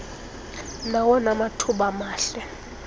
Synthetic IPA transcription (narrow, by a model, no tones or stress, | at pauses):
nawɔnamatʰuɓamaːɬɛ